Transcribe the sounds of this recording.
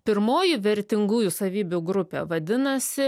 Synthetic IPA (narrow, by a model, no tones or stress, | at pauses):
pʲɪɾmoːjɪʋʲɛɾʲt̪ʲɪŋɡuːjʊsɐʋʲiːbʲʊɡɾʊpʲḛːʋɐd̪ʲɪnɐsʲɪ